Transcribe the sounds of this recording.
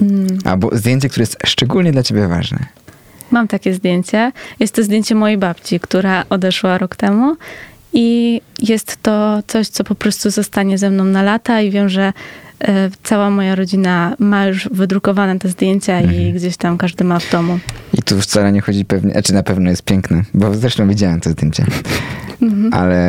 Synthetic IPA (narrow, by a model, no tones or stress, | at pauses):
ʔa̰lbɔ̰zd̪ʲjeɲt͡ɕɛk̚t̪uɾɛjɛst̪ʂt͡ʂɛɡulɲɛd̪lat͡ɕebʲɛva̰ʐnɛ̰ | mamt̪akʲɛzd̪ʲjeɲt͡ɕɛjɛst̪ːɔzd̪ʲjeɲt͡ɕɛmɔjejbapt͡ɕikt̪uɾaʔɔd̪ɛʂwaɾɔkt̪ɛmuijɛst̪ːɔt̪sɔɕt̪sɔpɔpɾɔst̪uzɔst̪aɲɛzɛmnɔ̃w̃nalat̪aivʲjɛmʐɛ | t̪sawamɔjaɾɔd͡ʑinamajuʐvɘd̪ɾukɔvanɛt̪ɛzd̪ʲjeɲt͡ɕaiɡd͡ʑeɕt̪amkaʐd̪ɘmavd̪ɔmuit̪uft̪saɾɛɲɛxɔd͡ʑipɛvɲɛ̰at͡ʂɘnapɛvnɔjɛst̪pʲjɛŋknɛbɔzɾɛʂt̪ɔ̃w̃vʲid͡ʑawɛmt̪ɔzd̪jeɲt͡ɕɛ̰ | a̰lɛ